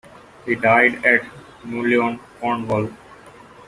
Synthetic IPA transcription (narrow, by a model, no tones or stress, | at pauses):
hiːɖaɪɖɛʈ | nuːliõːnkɔːɳʋɔl